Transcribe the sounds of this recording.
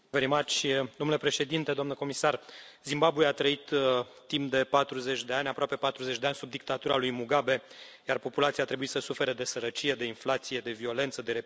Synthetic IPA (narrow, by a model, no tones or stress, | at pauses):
vəɾimat͡ʃʲd̪o̞mnulepɾe̞ʃe̞d̪int̪ed̪oamnəko̞misarzimbabujeat̪ɾəit̪ː | impd̪e̞pat̪ɾuze̞t͡ʃʲd̪e̞anʲapɾoape̞pat̪ɾuzet͡ʃʲdeanʲsub̚d̪ik̚t̪at̪uɾa̰lujmuɡabe̞jarpo̞pulat̪siat̪ɾe̞buit̪səsufe̞ɾəd̪e̞səɾət͡ʃije̞d̪e̞inflat̪sije̞d̪e̞vio̞le̞nt̪səd̪e̞ɾe